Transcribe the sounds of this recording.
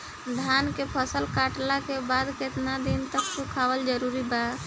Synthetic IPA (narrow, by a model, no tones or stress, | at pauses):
d̪ʱankepʰəsəlkaʈlakebad̪ket̪nad̪int̪əkt͡ʃukʰabəld͡ʒəɾuɾiba